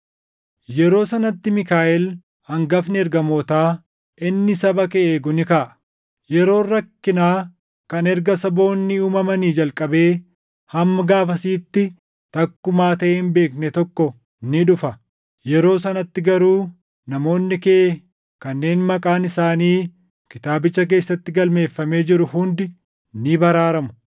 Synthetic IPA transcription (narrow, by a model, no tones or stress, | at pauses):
jɛɾo̞ːsɐnɐt̪ːɪmɪkaːʔɛl | hɐŋɡɐfnɪɛɾɡɐmoːt̪aː | ʔɪnːɪsɐbɐkɛʔeːɡʊnɪkaʔɐ̥ | jɛɾo̞ːrːɐkːɪnaː | kɐnɛɾɡɐsɐbo̞ːnːɪuːmɐmɐniːd͡ʒɐlkʼɐbe̞ː | hɐmːɐɡaːfɐsiːt̪ːɪ | t̪ɐkːʊmaːt̪ɐʔeɪmbe̞ːknɛt̪ɔkːɔ | nɪᶑʊfɐ | jɛɾo̞ːs̬ɐnɐt̪ːɪɡɐɾuː | nɐmo̞ːnːɪkɛʔe | kɐnːe̞ːnmɐkʼaːnɪsaːniː | kɪt̪aːbɪt͡ʃːɐk̬e̞ːsːɐt̪ːɪɡɐlme̞ːfːɐme̞ːd͡ʒɪɾʊhʊnd̪ɪ | nɪbɐɾaːɾɐmʊ̥